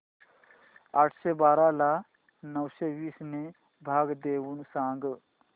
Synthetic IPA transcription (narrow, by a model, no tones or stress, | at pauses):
aʈʰsebaːɾala | nəwseʋiːsne | bʱaːɡd̪eʋuːnsãŋɡ